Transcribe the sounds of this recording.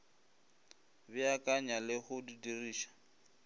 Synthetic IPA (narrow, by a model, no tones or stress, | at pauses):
bɪakʼaɲalɪhʊdidiriːʃḁ